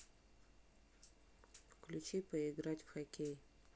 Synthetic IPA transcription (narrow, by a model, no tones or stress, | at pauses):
fklʲut͡ʃipəɪɡɾatʲfxakʲej